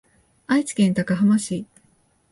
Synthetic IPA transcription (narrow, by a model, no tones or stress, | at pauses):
ait͡ɕi̥kẽnt̪akaɦamaɕiː